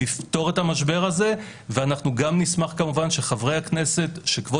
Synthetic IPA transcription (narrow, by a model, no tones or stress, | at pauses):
ifto̞ʁethamaʃbe̞ʁaze̞ | veanaχnuɡamnismaχkamuvanʃe̞χavʁejhakne̞se̞tʃekvo